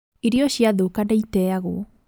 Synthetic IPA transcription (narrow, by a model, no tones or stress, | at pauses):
iɾiɔɕjaðokanaitɛaɣo